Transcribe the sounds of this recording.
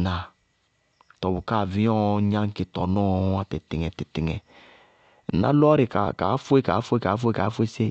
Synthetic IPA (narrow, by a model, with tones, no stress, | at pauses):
na˨ | tɔ˨bu˨ka˦˨vi˦ɔ̃˦ɲã˦ŋ˦ke˨tɔ˨nɔ˦a˨tɛ˨ti˨ŋɛ˨ti˨ti˨ŋɛ˨ | na̰˦lɔ˦ɾi˨ka̰˨ka̰˨˦fo˦e˦ka˨˦fu˦e˦ka˨˦fu˦e˦ka˨˦fu˦e˦se˦˨